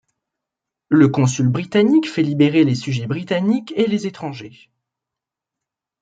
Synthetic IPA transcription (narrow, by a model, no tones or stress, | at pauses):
ləkɔ̃s̬ylbʁit̪anikfɛlibeʁelesyʒɛbʁit̪anikelezet̪χɑ̃ʒe